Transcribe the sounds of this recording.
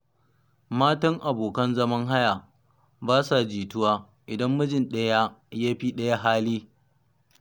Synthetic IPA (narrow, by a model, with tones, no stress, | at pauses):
maː˦tɐ˦ŋʔa˨boː˨kɐ˦nzɐ˦mɐ˦ŋɦa˦ja˨ | baː˦sa˨d͡ʒiː˨tʊ˦waː˦ | ʔɪ˨dɐ˦mːʊ˦d͡ʒɪ˨nɗɐ˦ja˦jaː˦ɸiː˦ɗɐ˦ja˦ɦaː˦liː˦